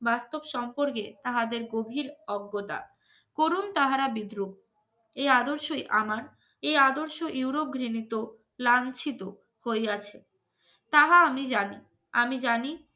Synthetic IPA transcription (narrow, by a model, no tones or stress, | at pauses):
bast̪obʃɔmpoɾk̬et̪aɦad̪eɾɡobʱilɔɡːot̪a̰ | koɾunt̪aɦaɾabid̪ɾu | ead̪oɾʃojʔamaɾ | ead̪oɾʃoʔuwɾop̚ɡʱɾinit̪o | lant͡ɕʰit̪o | hoeat͡ɕʰe | t̪aɦaamid͡ʑani | amid͡ʑani